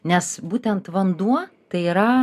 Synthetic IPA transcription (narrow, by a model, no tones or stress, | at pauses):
nʲɛsbuːt̪ʲɛnt̪ʋɐnd̪uɔt̪ɐɪiːɾɐ